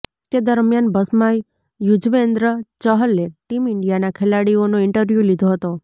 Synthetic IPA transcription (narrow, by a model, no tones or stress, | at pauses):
t̪ed̪əɾmjanbəsmaj | jud͡ʒʋend̪ɾət͡ʃəɦəlːeʈimɪɳɖijanakʰelaɽionoɪɳʈəɾʋjulid̪ʱoɦət̪o